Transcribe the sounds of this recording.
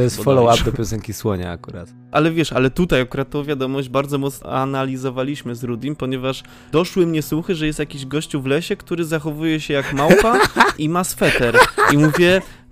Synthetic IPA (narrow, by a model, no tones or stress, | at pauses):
t̪ɔjɛst̪fɔlɔwapd̪ɔpʲjɔsɛŋkʲiswɔɲa̰a̰kuɾa̰t̪ | ʔalɛvʲjɛʂalɛt̪ut̪ajakuɾat̪̚ːɔ̃w̃vʲjad̪ɔmɔʑd͡ʑbaɾd̪zɔmɔt̪snɔ̰analʲizɔvalʲiɕmɘzɾud̪ʲinpɔɲɛvaʂ | d̪ɔʂwɘmɲɛswuxɘʐɛjɛst̪jakʲiʑɡɔɕt͡ɕuvlɛɕɛkt̪uɾɘzaxɔvujɛɕɛjakmawpaimasfɛt̪ɛɾimuvʲjɛ